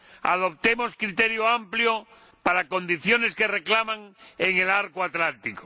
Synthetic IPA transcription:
a̰ð̞o̞p̚t̪emoskɾit̪eɾjoampljo | paɾako̞nd̪iθjo̞ne̞skere̞klamãŋeŋelaɾkoat̪lant̪iko

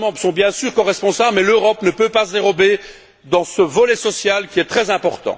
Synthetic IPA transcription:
mɑ̃bʁsɔ̃bjɛ̃syːʁkɔʁɛspɔ̃sablmɛløʁɔpnəpøpasəd̪eʁɔbe | d̪ɑ̃səvɔlɛsɔsjalkʲiɛt̪χɛzɛ̃pɔʁt̪ɑ̰̃

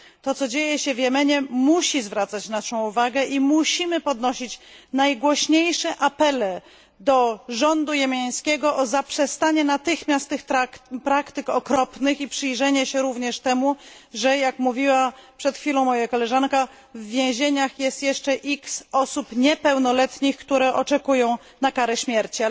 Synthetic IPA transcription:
t̪ɔt̪sɔd͡ʑejɛɕɛvjɛmɛɲɛmuɕizvɾat̪sat͡ɕnaʂɔ̃w̃uvaɡɛʔimuɕimɘpɔd̪nɔɕit͡ɕnajɡwɔɕɲejʂɛʔapɛlɛ | d̪ɔʐɔnd̪ujɛmʲjaj̃skʲɛɡɔʔɔzapʂɛst̪aɲɛnat̪ɘxmʲjast̪ːɘxtpɾakt̪ɘkɔkɾɔpnɘxipʂɘjʐɛɲɛɕɛɾuvɲɛʂt̪ɛmuʐɛjakmuvʲiwapʂɛt̪xfʲilɔ̃w̃mɔjakɔlɛʐanka | vːʲjẽw̃ʑeɲaxjɛst̪jɛʂt͡ʂɛʔiksɔsupɲɛpɛwnɔlɛt̪ɲixkt̪uɾɛʔɔt͡ʂɛkujɔ̃w̃ | nakaɾɛɕmʲjɛɾt͡ɕi

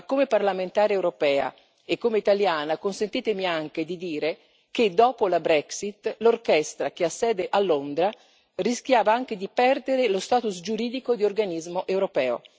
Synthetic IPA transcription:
kːomeparlament̪aːɾeewɾopɛːa̰ | ekːomeit̪aljaːnakonsent̪iːt̪emiaŋk̟ed̪id̪iːɾe | k̟ed̪ːɔːpolabɾɛksit̪lorkɛst̪ɾak̟easːɛːd̪eʔalːond̪ɾa | risk̟jaːvaaŋk̟ed̪ipɛrd̪eɾelost̪aːt̪usd͡ʒuɾiːd̪ikod̪iorɡanizmoʔewɾopɛːo̰

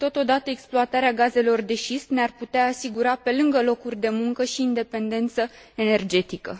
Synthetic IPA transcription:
t̪o̞t̪o̞d̪at̪əe̞ksploat̪aɾeaɡaze̞lo̞rd̪e̞ʃisnearput̪eaːsiɡuɾape̞lɨŋɡəlo̞kurʲd̪e̞muŋkəʃiːnd̪e̞pe̞nd̪e̞nt̪sə | e̞ne̞rd͡ʒe̞t̪ikə̰

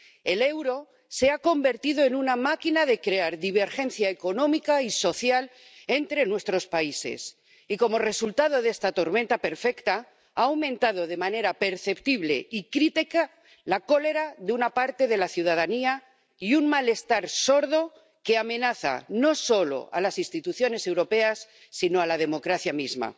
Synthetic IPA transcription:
e̞le̞wɾo̞ | se̞ako̞mbe̞ɾt̪iðo̞e̞nunamakinaðe̞kɾe̞aɾðiβ̞e̞ɾxe̞nθjaeko̞nõ̞mikaiso̞θjale̞nt̪ɾe̞nwe̞st̪ɾo̞spaise̞̰s | iko̞mo̞re̞sult̪aðo̞ðe̞st̪at̪o̞ɾment̪ape̞ɾfe̞kt̪a | awmẽ̞nt̪að̞o̞ðe̞mane̞ɾape̞ɾθe̞pt̪iβle̞̰ikɾit̪ika | lako̞le̞ɾaðeunapaɾt̪e̞ðe̞laθjuð̞að̞ania | iunmale̞st̪aɾso̞ɾðo̞ | ke̞amẽ̞naθa̰no̞so̞lo̞̰a̰lasinst̪it̪uθjo̞ne̞se̞wɾo̞pe̞asː | ino̞alað̞e̞mo̞kɾaθjamizma̰

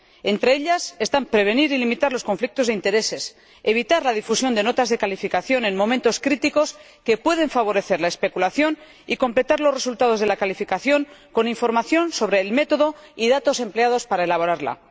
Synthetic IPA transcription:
e̞nt̪ɾe̞eʎase̞st̪ampɾe̞β̞e̞niɾilimit̪aɾlo̞sko̞ɱflik̚t̪o̞zðe̞int̪e̞ɾe̞se̞s | e̞β̞it̪aɾlaðifusjo̞nd̪e̞no̞t̪azðe̞kalifikaθjo̞nẽ̞nmo̞mẽnt̪o̞skɾit̪iko̞s | ke̞pwe̞ð̞e̞ɱfaβo̞ɾe̞θe̞ɾlae̞spe̞kulaθjo̞n | iko̞mple̞t̪aɾlo̞sre̞sult̪að̞o̞zð̞e̞lakalifikaθjo̞ŋko̞niɱfo̞ɾmaθjo̞nso̞β̞ɾe̞ːlme̞t̪o̞ðo̞iðat̪o̞se̞mple̞að̞o̞spaɾae̞laβ̞o̞ɾaɾla̰

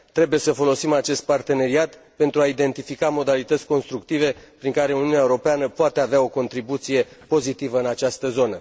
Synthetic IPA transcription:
t̪ɾe̞buje̞səfo̞lo̞simat͡ʃe̞st̪̚part̪e̞ne̞ɾiat̪pe̞nt̪ɾuaid̪e̞nt̪ifikamo̞d̪alit̪ət̪sʲko̞nst̪ɾuk̚t̪ive̞pɾiŋkaɾe̞uniuneaeuɾo̞peanəpoat̪e̞aveao̞ko̞nt̪ɾibut̪sije̞po̞zit̪ivəɨnat͡ʃast̪əzo̞nə

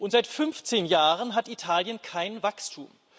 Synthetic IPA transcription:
ʔʊntz̥aɪtfʏnft͡seːnjaːʁənɦatitʰaːljənkʰaɪnvakstʰuːm

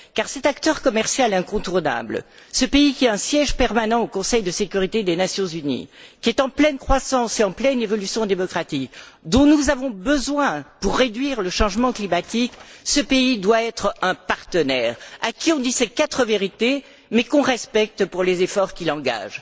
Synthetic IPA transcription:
kaʁsɛt̪akt̪œʁkɔmɛʁsjalɛ̃kɔ̃t̪uʁna̰blsəpeikʲiɛɛ̃sjɛʒpɛʁmanɑ̃okɔ̃sɛjd̪əsekʲyʁit̪ed̪enasjɔ̃zynḭkʲiɛt̪ɑ̃plɛnkχwasɑ̃seɑ̃plɛnevɔlysjɔ̃d̪emɔkχat̪ikd̪ɔ̃nuzavɔ̃bəzwɛ̃puʁːed̪ɥiʁləʃɑ̃ʒmɑ̃klimat̪iksəpeid̪waɛt̪χɛ̃paʁt̪ənɛʁa̰kʲiɔ̃d̪isɛkat̪χəveʁit̪e | mɛkɔ̃ʁɛspɛk̚t̪puʁlezefɔʁkʲilɑ̃ɡa̰ʒ

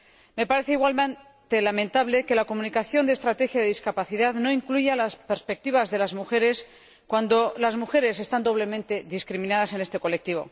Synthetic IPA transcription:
me̞paɾe̞θeiɣwal | t̪elamẽ̞nt̪aβle̞ke̞lako̞mũnikaθjo̞nd̪est̪ɾat̪e̞xjaðeðiskapaθiðaðno̞iŋkluʝalaspeɾspe̞k̚t̪iβazðe̞lazmuxe̞ɾe̞s | kwand̪o̞lazmuxe̞ɾe̞s̬e̞st̪and̪o̞β̞le̞mẽnt̪e̞ðiskɾimĩnað̞ase̞ne̞st̪e̞ko̞lek̚t̪iβ̞o̞̰

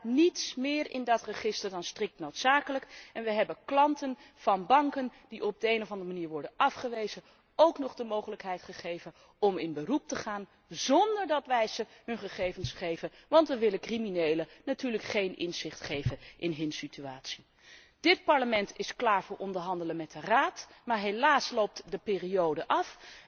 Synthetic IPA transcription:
nitsmɪːɹɪ̰ndɑtrəχɪstəɹdɑnstrɪk̚tnowtsaːkələkɛnʋəɦɛbənklɑntən | v̥ɑnbɑŋkənd̥iʔɔb̚dəejnɔvɑndəmaniːɹʋɔɹdənɑfχəʋejzə | owknɔχdəmowχələkɦɛjtχəχejvən | ɔmɪnbərup̚təχaːn | zɔndəɹdɑtʋɛjz̥əɦɵnχəχejvənsχejvənʋɑntʋəʋɪlənkriminejlənatyːɹləkχejnʔɪ̰nzɪχtχejvənʔɪnɦɵnsityaːtsi̥ | d̥ɪt̚pɑɹləmɛntɪsklaːɹvʊːɹʔɔndəɹɦɑndələnmɛd̚dəraːtmaːɹɦelaːslowp̚tdəpɪːriowdəʔɑf

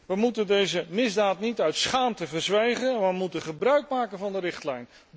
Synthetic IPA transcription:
ʋəmutəndejzəmɪzdaːtnitœɥtsχaːmtəvəɹzʋejχənməmutəχəbrœɥk̚maːkənvɑndəɾɪχtlɛjn

